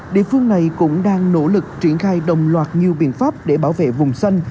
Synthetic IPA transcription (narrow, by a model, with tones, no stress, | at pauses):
ɗḭ˧˨əfɨ˧əŋna˨˩jkʊ̰˧˥ŋ͡mɗaː˧ŋno̰˧˥lɨ˨˩k̚t͡ɕi˧˩ənxaː˧jɗə˨˩wŋ͡mlwaː˨˩t̚ɲi˨˩əwɓḭ˧˨ənfaː˦˥p̚ɗe˧˩ɓaː˧˦wvḛ˧˨vʊ˨˩ŋ͡msa˧jŋ̟